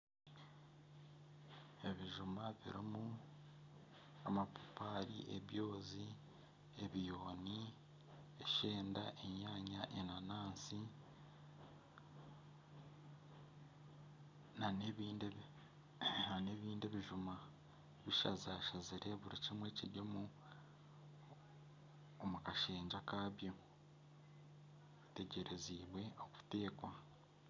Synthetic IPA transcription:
e̞βiʒumaβḭɾimu | amapu̥paɾḭʔeβjo̞ːzi | e̞βijo̞ːni | eʃe̞ːndaʔeɲaːɲaʔenanaːnsi | naneβiːnd | ane̞ːβiːndiβiʒuma | βiʃazaːʃaziɾe̞βuɾicimwe̞ːciɾjomu | omukaʃe̞ːɲd͡ʒakaːβjo̞ | βite̞ɟe̞ɾe̞ziːβwe̞oku̥te̞ːkwa

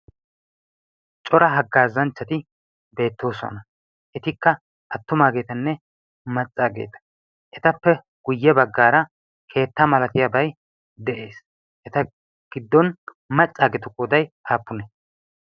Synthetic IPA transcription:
t͡ʃʼɔɾɐɦɐɡːaːzɐnt͡ʃːɐt̪ɪ | be̞ːt̪ːo̞ːsɔ̰nɐ | ʔɛt̪ɪkːɐ | ʔɐt̪ːʊmaːɡe̞ːt̪ɐnːɛ | mɐt͡sʼːaːɡe̞̰ːt̪ɐ̥ | ʔɛt̪ɐpːɛ | ɡ̥ʊjːɛbɐɡːaːɾɐ | kʰe̞ːt̪ːɐmɐlɐt̪ɪjabɐj | d̪ɛʔe̞ːs | ʔɛt̪ɐ | ɡ̥ɪd̪ːɔn | mɐt͡sʼːaːɡɛt̪ʊkʼɔd̪ɐjʔaːpːʊnɛ

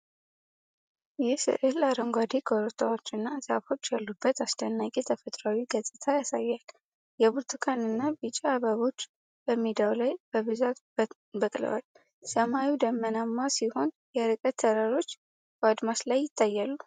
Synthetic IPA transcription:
jɛsɨ̰ʔɨlaɾəŋɡʷad̪ekʰoɾot̪ʰawot͡ʃːɨnːazafo̞t͡ʃːjalːubːət̪asd̪ənːakʼet̪ʰəfət̪ʼɾawiɡəzʼɨt̪ʰajasajːal | jɛβuɾt̪ʰɨkʰanɨnːabɨt͡ʃʼiaβəβo̞t͡ʃː | b̥əmːid̪awlajb̥əβɨzat̪ | bəkʼlɨ̰wa̰l | səmawid̪əmːənamːasiho̞n | jɛɾɨkʼət̪ʰːəɾaɾo̞t͡ʃː | bəad̪maslajːɪt̪ʰːajːalːu

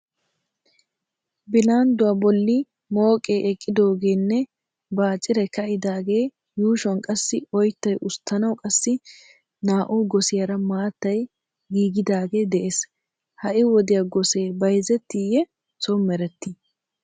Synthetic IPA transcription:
bɪlaːnd̪ʊwabɔlːɪ | mo̞ːkʼːe̞ːʔɛkʼːɪd̪o̞ːɡe̞ːnːɛ | baːt͡ʃʼːɪɾɛkɐʔɪd̪aːɡe̞ː | juːʃwɔnkʼɐsːɪɔjt̪ːɐjʔʊst̪ːɐnɐwkʼɐsːɪ | naːʔuːɡɔsɪjɐɾɐmaːt̪ːɐj | ɡiːɡɪd̪aːɡe̞ːd̪ɛʔeːs | hɐʔɪwɔd̪ɪjaɡɔse̞ːbɐjzɛt̪ːɪjɛ | sɔmːɛɾɛt̪ːɪ

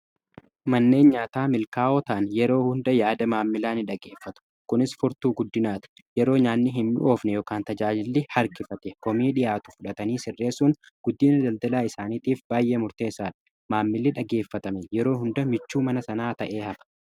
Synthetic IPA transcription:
mɐnːe̞ːnɲaːt̪aːmɪlkaːʔoːt̪ɐʔɐnjɛɾo̞ːhʊnd̪ɐjaːd̪ɐmaːmːɪlaːnɪᶑɐɡeːfːɐt̪ʊ̥ | kʊnɪsfʊɾt̪uːɡʊd̪ːɪnaːt̪ɐ̥ | jɛɾo̞ːɲaːnːɪɦɪmːɪ̰ʔo̞ːfnɛjoːkaːnt̪ɐd͡ʒaːd͡ʒɪlːɪhɐɾkɪfɐt̪ɛkɔmiːᶑɪjaːt̪ʊ̥fʊᶑɐt̪ɐniːsɪrːe̞ːsuːn | ɡ̥ʊd̪ːiːnɐd̪ɐld̪ɐlaːɪsaːniːt̪iːfbaːjʔe̞ːmʊɾt̪e̞ːsaːᶑɐ̥ | maːmːɪlːɪᶑɐɡe̞ːfːɐt̪ɐmɛjɛɾo̞ːhʊnd̪ɐmɪt͡ʃːuːmɐnɐsɐnaːt̪ɐʔe̞ːhɐbɐ̥

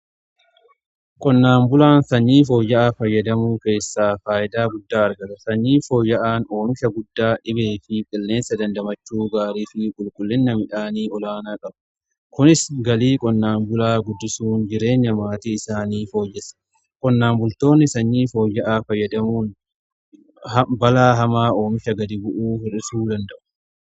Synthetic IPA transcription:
kʼɔnːaːmbʊlaːnsɐɲːiːfo̞ːjːɐʔaːfɐjːɐd̪ɐmuːke̞ːsːaːfaːʔɪd̪aːɡʊd̪ːaːɐɾɡɐt̪ɐsɐɲːiːfo̞ːjːɐʔaːnoːŋkɐɡʊd̪ːaːᶑɪbe̞ːfɪkʼɪlːe̞ːnsɐd̪ɐnd̪ɐmɐt͡ʃːuːɡaːɾiːfɪkʼʊlkʼʊlːɪnːɐmɪᶑaːniːɔlaːnaːkʼɐbɐ | kʊnɪsɡɐliːkʼɔnːaːnbʊlaːɡʊd̪ːɪsuːnd͡ʒɪɾe̞ːɲːɐmaːt̪iːɪsaːniːfo̞ːjːɛsɐ̥ | kʼɔnːaːmbʊlt̪o̞ːnːɪsɐɲːiːfo̞ːjːɐʔaːfɐjːɐd̪ɐmuːn | bɐlaːɦɐmaːo̞ːmɪʃɐɡɐd̪ɪbʊʔuːhɔɾɪsuːd̪ɐnd̪ɐʔʊ̥

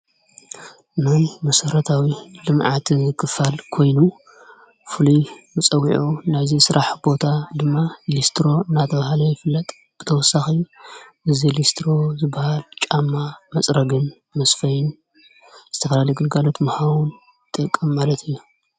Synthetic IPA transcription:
najmɐsɐɾɐt̪ʰawilɨmʕat̪kʰɨfalkʰo̞jnu | fɨlujmɨt͡sʼɐwiʕunajzisɨɾʔaħb̥o̞t̪ʰad̪ɨmːalist̪ʰɾo̞ɨnːat̪ʰɐβahalɐjɪfɨlːɐt̪ʼ | b̥ɨt̪ʰɐwɔsːaxiʔɨzilist̪ʰɾo̞zɨbːahalt͡ʃʼamːamɐt͡sʼɾɐɡɨn | mɐsfɐjɪn | z̥ɨt̪ʰɐfɐlalɐjɡɨlɡalo̞t̪mɐhawun | t̪ʼɨkʼːɨmːalɐt̪ʰɨjːu

